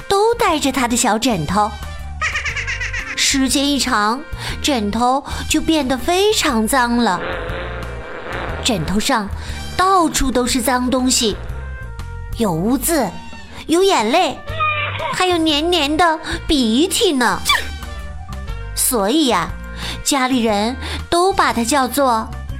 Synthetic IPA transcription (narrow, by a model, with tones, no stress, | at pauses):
t̪o˥ʊt̪a˥˩ɪʈ͡ʂə˨˩t̪ʰa˥d̪ə˨ɕjɑ˧˥ʊʈ͡ʂə˨˩nt̪ʰo˧˥ʊ | ʂɻ̩˧˥t͡ɕjɛ˥ni˥˩ʈ͡ʂʰɑ˧˥ŋʈ͡ʂə˨˩nt̪ʰo˧˥ʊt͡ɕjo˥˧ʊpjɛ˥˩nd̪ə˩fe˥ɪʈ͡ʂʰɑ˧˥ŋt͡sɑ˥ŋlə˨ | ʈ͡ʂə˨˩nt̪ʰo˧˥ʊʂɑ˥˧ŋt̪ɑ˥˩ʊʈ͡ʂʰu˥t̪o˥ʊʂɻ̩˥˩t͡sɑ˥ŋt̪ʊ˥ŋɕi˨˩ | jo˨˩ʊu˧˥t͡sɹ̩˥˩ | jo˧˥ʊjɛ˨˩nle˥˩ɪ | xa˧˥ɪjo˨˩ʊnjɛ˧˥nnjɛ˧˥nd̪ə˧pi˨˩i˧˥t̪ʰi˨˩nə˩ | swɔ˧˥i˨˩ɐ˩ | t͡ɕja˥li˨˩ɻə˧˥nt̪o˥ʊpa˨˩t̪ʰa˥t͡ɕjɑ˥˧ʊt͡swɔ˥˩